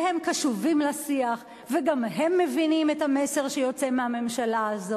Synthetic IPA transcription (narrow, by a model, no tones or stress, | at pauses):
hemkaʃuvimlasiaχ | veɡamhe̞mːevinimethamese̞ʁʃejo̞t͡semehame̞mʃalaːzo